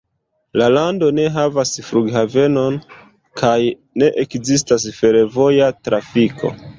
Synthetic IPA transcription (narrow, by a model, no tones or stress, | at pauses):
lalando̞ne̞ɦavasfɾuɡhave̞no̞n | kʰaj | ne̞ʔekzistas̬fe̞ɾevo̞jatɾafikʰo̞̰